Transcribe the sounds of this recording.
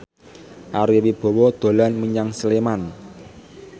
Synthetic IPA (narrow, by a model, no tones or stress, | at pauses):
ʔaɾiwib̥ɔ̤wɔd̪̥o̤lɔnməɲaŋsəleman